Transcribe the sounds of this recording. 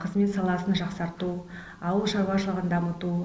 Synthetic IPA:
qʰəzme̞t̪sɑlˠɑsənʒɑqsɑɾt̪u | ɑwəlˠʃɑɾuɑʃəlˠəʁənd̪ɑmət̪u

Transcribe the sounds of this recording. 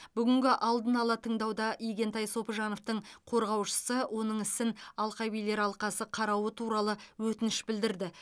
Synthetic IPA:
bʏɡʲɪŋɡʲɪʔɑlˠd̪ənɑlˠɑt̪ʰəɴd̪ɑwd̪ɑʔijɡʲe̞nt̪ɑjso̞pəʒɑno̞ft̪əɴqʰo̞ɾʁɑwʃə̥səwʔo̞nəɴɪsɪnɑlˠqɑjbijle̞ɾɑlˠqɑsəqʰɑɾɑwət̪ʰuɾɑlˠəwɵt̪ɪnɪʃbɪld̪ɪɾd̪ɪ

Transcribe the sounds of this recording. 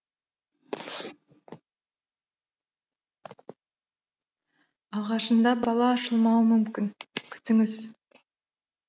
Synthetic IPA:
ɑʁɑʃənd̪ɑbɑlˠɑːʃəlˠmɑwəmʏmkʲɪnkʲʰʏ̥t̪ɪŋɪz

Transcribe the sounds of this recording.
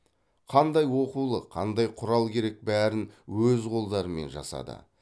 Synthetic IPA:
qʰɑnd̪ɑjwo̞qulˠəqʰɑ̰nd̪ɑjqʰʊɾɑlˠkʲʰe̞ɾe̞k̚bæɾɪnwɵzqʰo̞lˠd̪ɑɾəme̞̰nʒɑ̰sɑ̰d̪ə̰

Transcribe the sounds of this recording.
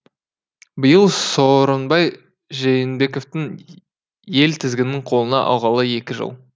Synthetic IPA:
bɪjəlˠsoɾənbɑj | ʒejɪnbe̞ko̞ft̪ɪŋ | je̞lt̪ʰɪzɡʲɪnːɪŋqʰo̞lˠənɑ̰ʔɑ̰wʁɑlˠəje̞kʲɪʒə̰lˠ

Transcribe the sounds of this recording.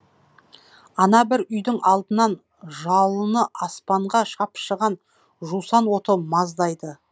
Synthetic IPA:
ɑnɑbɪɾʏjd̪ɪŋɑlˠd̪ənɑn | ʒɑlˠənəʔɑspɑɴʁɑʃɑpʃəʁɑn | ʒusɑnwo̞t̪əmɑzd̪ɑjd̪ə

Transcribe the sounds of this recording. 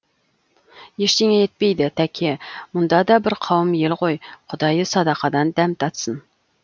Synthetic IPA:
jeʃt̪e̞ŋejet̪̚pe̞jd̪ɪt̪ʰækʲʰemʊnd̪ɑd̪ɑbɪɾqʰɑwəmje̞lqʰo̞jqʰʊd̪ɑjəsɑd̪ɑqɑd̪ɑnd̪æmt̪ʰɑt̪sən

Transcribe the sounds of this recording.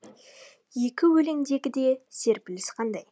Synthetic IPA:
je̞kʲɪwɵle̞ŋd̪eɡʲɪd̪e̞se̞ɾpɪlɪsqʰɑnd̪ɑj

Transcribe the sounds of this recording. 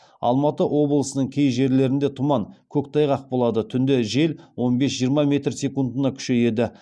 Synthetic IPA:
ɑ̰lˠmɑt̪əʔwo̞blˠəsənəɴkʲʰe̞jʒe̞ɾle̞ɾɪnd̪e̞t̪ʰʊmɑŋkʲʰɵkt̪ʰɑjʁɑq̚bo̞lˠɑd̪ət̪ʰʏnd̪e̞ʒe̞lwo̞nbe̞sʒijəɾmɑmʲe̞t̪rsʲe̞kund̪ənɑkʲʰʏ̥ʃe̞je̞d̪ɪ

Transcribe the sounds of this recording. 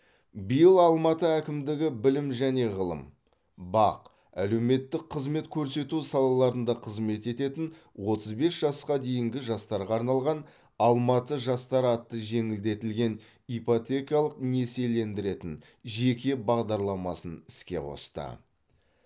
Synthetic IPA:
bijəlˠɑlˠmɑt̪əækʲɪmd̪ɪɡʲɪbɪlɪmʒæne̞ʁəlˠə̰m | bɑ̰q | æ̰le̞wme̞t̪ːɪk̚qʰəzme̞t̪kʲʰɵɾse̞t̪usɑlˠɑlˠɑɾənd̪ɑqʰəzme̞t̪e̞t̪e̞t̪ɪnwo̞t̪əzbe̞sʒ̥ɑsqɑd̪e̞jɪŋɡʲɪʒɑst̪ɑɾʁɑːɾnɑlˠʁɑn | ɑlˠmɑt̪əʒɑst̪ɑɾɑt̪ːəʒe̞ŋɪld̪e̞t̪ɪlɡʲe̞n | ipot̪ʲe̞kijɑlˠəqne̞se̞le̞nd̪ɪɾe̞t̪ɪn | ʒe̞kʲe̞bɑʁd̪ɑɾlˠɑmɑsənɪskʲe̞̰qʰo̞̰st̪ə̰

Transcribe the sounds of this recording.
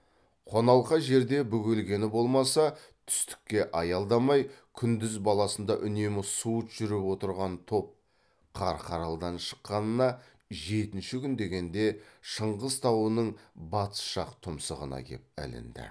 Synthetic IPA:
qʰo̞nɑlˠqɑʒe̞ɾd̪e̞bʏɡʲelɡʲe̞nɪbo̞lˠmɑsɑ | t̪ʰʏ̥st̪ɪ̥kʲːe̞ʔɑjɑlˠd̪ɑmɑjkʲʰʏnd̪ɪzbɑlˠɑsənd̪ɑʔʏne̞mɪsuət̪ʒ̥ʏɾɪpwo̞t̪əɾʁɑnt̪ʰo̞p̚ | qʰɑɾqʰɑɾɑlˠd̪ɑnʃə̥qːɑnənɑ | ʒe̞t̪ɪnʃɪkʲʰʏnd̪e̞ɡʲe̞nd̪e̞ʃəɴʁəzt̪ʰɑwənəɴbɑt̪ə̥sʃɑqt̪ʰʊmsəʁə̰nɑ̰kʲʰe̞̰p̚æ̰lɪ̰nd̪ɪ̰

